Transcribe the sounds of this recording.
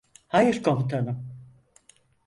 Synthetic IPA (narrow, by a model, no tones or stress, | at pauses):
hajɯɾkʰomut̪ʰanɯm